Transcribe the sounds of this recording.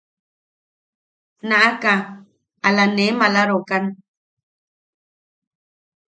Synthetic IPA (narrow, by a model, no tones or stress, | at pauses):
naʔaka | alanemalaɾokan